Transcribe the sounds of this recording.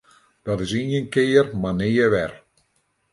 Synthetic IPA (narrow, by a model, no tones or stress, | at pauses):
d̥ɔtɪsinənkɪːərmanɪːəʋɛr